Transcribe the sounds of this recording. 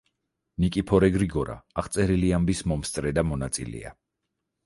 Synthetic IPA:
nikʼipʰɔɾɛɡɾiɡɔɾa̰ːaχt̪sʼɛɾiliambismɔmst̪ʼɾɛd̪amɔnat̪sʼḭlɛ̰a̰

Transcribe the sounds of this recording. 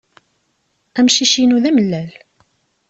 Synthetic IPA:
æmʃiʃinuðæməlːæl

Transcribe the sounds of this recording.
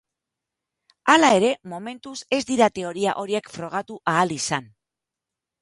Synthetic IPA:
alae̞ɾe̞mo̞me̞nt̪use̞zd̪iɾat̪e̞o̞ɾiaʔo̞ɾie̞kfɾo̞ɣ̞at̪uʔaːlisan

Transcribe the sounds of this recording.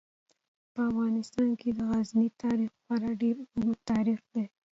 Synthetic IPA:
pəafɣɑnɪst̪ɑnkʰed̪əɣaznit̪ɑɾixwɑɾaɖeɾmʊt̪ɑɾixd̪e

